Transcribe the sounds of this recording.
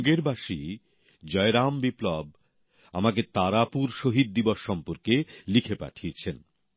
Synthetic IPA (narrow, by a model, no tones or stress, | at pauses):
ɡeɾbaʃi | d͡ʑɔeɾambiplɔb | a̰maket̪aɾapuɾʃoɦid̪̚ːiboʃːɔmpoɾkelikʰepa̰ʈʰiet͡ɕʰen